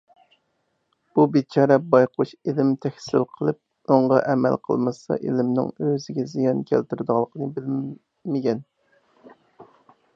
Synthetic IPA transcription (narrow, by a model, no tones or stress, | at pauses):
b̥ubet͡ʃʰɑːɾɛbɑjqʰuʃelɪmt̪ʰɛkʲsɪlqʰəlˠɨp̚ | oɴʁɑʔɛmɛ̰lqʰə̰lˠmɨsɑ̰ʔḛlɪmnɪ̰ŋøzɪɡʲɛzijɑnkʲʰælt̪yɾd̪ʁɑlˠːəqənɨbɪl | mɪɡʲɛn